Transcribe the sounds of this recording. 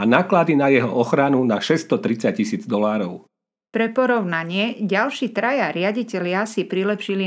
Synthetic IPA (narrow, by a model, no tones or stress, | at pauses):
anaːklad̪inajɛɦɔ̰ʔɔxɾanunaʃɛst̪ɔt̪ɾit͡sac̚t͡ɕːisiːd͡zd̪ɔlaːɾɔʊ | pɾɛpɔɾɔʊnaɲɪɛɟalʃiːt̪ɾajaɾɪaɟicɛʎɪasipɾilɛpʃili